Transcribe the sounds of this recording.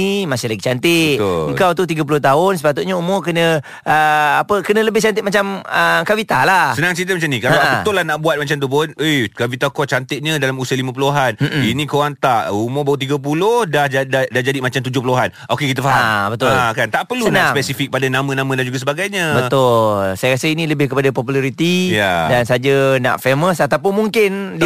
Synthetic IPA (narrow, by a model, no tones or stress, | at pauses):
imasɪhlaɡit͡ʃant̪ɪʔ̪əŋkawt̪ut̪iɡəp̬ulʊht̪aɦʊnsə̥pat̪ut̪̚ɲaumokənə̃ | əapəkənə̃ləbɪht͡ʃant̪ɪtmat͡ʃaməkawit̪alahsənãŋsit̪əmat͡ʃamnikalabət̪ʊlahnaʔbuat̪̚mat͡ʃamt̪upʊnekavit̪akɔt͡ʃant̪ɪʔ̚ɲədalamusəlimãpəloɦan̩inĩkowaŋt̪aʔumobawət̪̬iɡap̬ulʊhdahd͡ʒadadahd͡ʒadimat͡ʃamt̪ud͡ʒʊhpəloɦanʔokekit̪̬əfaɦambət̪ʊkant̪aʔpərlunaspɛsifik̚padanamə̃nãmə̃dand͡ʒuɡasəbaɡajɲəbət̪ʊlsajaasəinĩləbɪhkəpadapɔpulaɾit̪ijadansad͡ʒəna̰ʔfeməsat̪awp̬ʊnmuŋkɪn